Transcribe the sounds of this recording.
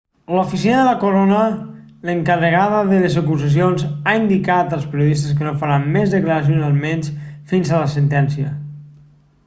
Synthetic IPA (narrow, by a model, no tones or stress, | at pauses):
lufisinəðələkoɾonə | ləŋkərəɣaðəðəlezəkuzəs̬ionzaind̪ikat̪əlˠspəɾijuðist̪əs̬kənofəɾammezðəkləɾas̬ionalˠmenʲsfinzələsənt̪ɛnsiə